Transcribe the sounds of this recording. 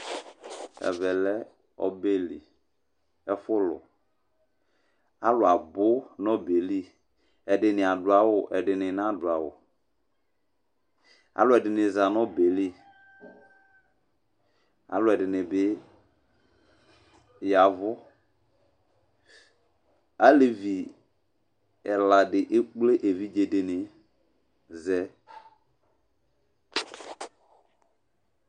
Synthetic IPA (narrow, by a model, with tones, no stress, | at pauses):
ɛ̰˨vɛ˨lɛ˦ | ɔ̰˨be˦lḭ˨ | ɛ˨fʊ˦lʊ̰˨ | a˦lʊ˨a˨bʊ˦nɔ˦be˨li˦ | ɛ˨dɪ˨nɪ˨a˨dʊ˨a˨wʊ˨ʔɛ˨ɖɪ˨nɪ˨n˦ã˦˨dʊ˨a˨wʊ̰˨ | a̰˨lʊ˦ɛ˨dɪ˨nɪ˨za˨nɔ˦be˨li˦ | a̰˨˦lɛ˨dɪ˨nɪ̃˨bɪ˦ | ja˨vʊ˦ | a˦le˨vi˨ | ɛ˨la˨dɪ˨ʔe˦k͡ple˦ʔe˨vi˦d͡ʒe˨de˨nɪ˨ | zɛ˦